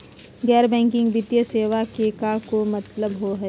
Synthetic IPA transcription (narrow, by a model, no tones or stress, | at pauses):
ɡɛːɾbɛ̃ːŋkɪ̃ŋɡbɪt̪jəseːʋakeːkakomɐt̪ləbɦoɦɛː